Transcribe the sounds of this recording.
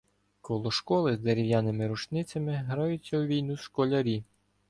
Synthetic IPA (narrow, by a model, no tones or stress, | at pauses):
kɔlˠɔʃkɔlˠɪzd̪eɾʲɪwjɑnɪmɪɾut͡ʃnɪt͡sʲɐmɪɦɾɑjʊt͡sʲːɐwʋʲijnuʃkɔlʲɐɾʲi